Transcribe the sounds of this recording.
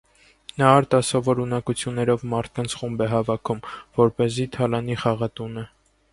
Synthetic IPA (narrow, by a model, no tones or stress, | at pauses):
nɑɑɾt̪ɑsɔvɔɾunɑkut͡sʰjunːɛɾɔvmɑɾt̪̚ʰkɑnt͡sʰχumbɛɦɑvɑkʰumvɔɾpɛzit̪ʰɑlɑniχɑʁɑt̪unɛ